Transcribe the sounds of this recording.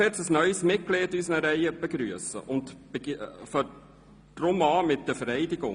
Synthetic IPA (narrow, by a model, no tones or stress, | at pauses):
ɛt͡səsnœʏsmɪt̚kleːdysənəɾɛɪjəb̥eɡɾyəsə̰ʔʊnt̪b̥efɔ | drʊmɑːmɪt̚d̥əfəɾɛɪdɪɡʊŋ